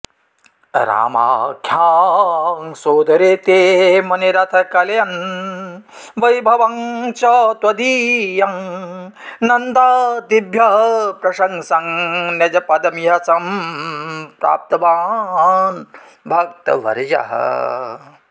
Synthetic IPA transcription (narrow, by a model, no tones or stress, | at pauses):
ɾa̰ːma̰ːkʰjaːŋsoːd̪ɐɾeːt̪eːmɐniɾɐt̪ʰɐkɐlɐjɐn | ʋɐjbʱɐʋɐŋt͡ʃɐt̪ʋɐd̪iːjɐŋ | nɐnd̪aːd̪ibʱjɐɦɐpɾɐʃɐŋsɐŋnɐd͡ʒɐpɐd̪ɐmjɐsɐm | pɾa̰ːp̚t̪ɐʋaːn | bʱɐk̚t̪ɐ̰ʋɐ̰ɾd͡ʒɐ̰ɦɐ̰